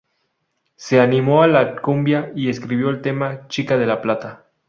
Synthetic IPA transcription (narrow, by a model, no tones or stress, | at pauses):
se̞animo̞alakumbjaie̞skɾiβjo̞elt̪e̞mat͡ʃikaðe̞laplat̪a